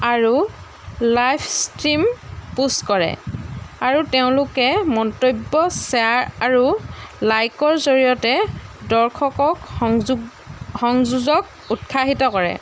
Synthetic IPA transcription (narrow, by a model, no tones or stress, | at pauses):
aɹu | lajpʰstɹimpuskɔɹɛ̰aɹuteʊ̃lʊkɛmɔntobːɔsɛaɹaɹulajkɔɹzoɹijɔtɛdɔɹkʰɔkɔkɡ | xɔŋzuzɔk̚ | utkʰaɦitɔkɔɹɛ̰